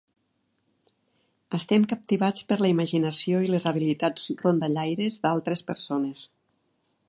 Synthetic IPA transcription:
əst̪ɛmkəp̚t̪iβat͡spəɾləiməʒinəsioilezəβ̞ilit̪ad͡zrond̪əʎajɾezd̪alˠt̪ɾespəɾsones

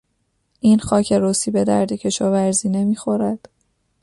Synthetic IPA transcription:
ʔiːnxɒːcʰeɾosiːbe̞d̪æɾd̪ecʰe̞ʃɒːvæɾziːne̞miːxo̞ɾæd̪̥

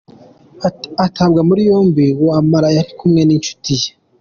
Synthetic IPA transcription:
atʰabɡamuɾijoːmbiwoamaɾajaɾikumŋe̞nint͡ʃu̥tije

